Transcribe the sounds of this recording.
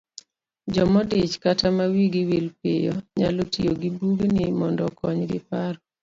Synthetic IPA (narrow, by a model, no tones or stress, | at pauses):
d͡ʒɔmɔdɪt͡ʃkatamawiɡiwilpɪjɔ̰ɲalotijoɡibuɡnɪmɔndɔkɔɲɡɪpaɾ